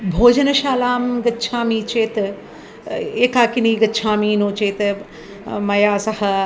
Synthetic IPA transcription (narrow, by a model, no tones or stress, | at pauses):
bʱoːd͡ʒɐnɐʃaːlaːmɡɐtːt͡ʃʰãːmiːt͡ʃeːt̪ | eːkaːkɪniːɡɐtːt͡ʃʰãːmiːnõːt͡ʃeːt̪ | mɐjaːsɐhɐ̆